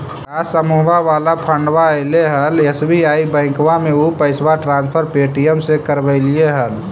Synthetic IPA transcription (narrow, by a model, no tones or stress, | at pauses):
kasəmuɦwaʋalapʰəɳɖwaeleɦəlesbiaibə̃ɪ̃kʋameupəɪsʋaʈɾãnspʰəɾpeʈijəmsekəɾbəɪlieɦəl